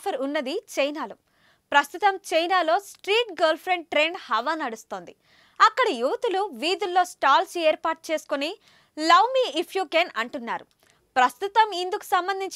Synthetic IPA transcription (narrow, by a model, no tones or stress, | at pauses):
pʰɐɾunːɐd̪it͡ʃɐjnaːlu | pɾɐst̪ut̪ɐmt͡ʃɐjnaːlo̞ːsʈɾiːʈɡɐːɾlpʰɾeɳɖ̚ʈɾeːɳɖhɐʋaːnɐɽust̪o̞ːnd̪i | ɐkːɐɽɐjuːʋɐt̪uluʋiːd̪ulːo̞ːsʈaːlseːɾpaːʈ̚t͡ʃe̞ːsu̥koni | lɐwmiːipʰjuːkeːnɐɳʈunːa̰ːɾu | pɾɐst̪ut̪ɐmind̪uku̥sɐmbɐnd̪ʱiɲt͡ʃ